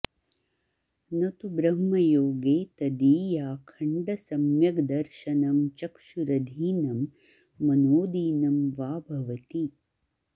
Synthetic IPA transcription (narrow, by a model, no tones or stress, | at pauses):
nɐt̪ubɾɐmːɐjoːɡeːt̪ɐd̪iːjaːkʰɐɳɖɐsɐmjɐɡd̪ɐɾʃɐnɐmt͡ʃɐkʃuɾɐd̪ʱiːnɐmː | ɐnoːd̪iːnɐmʋaːbʱɐʋɐt̪i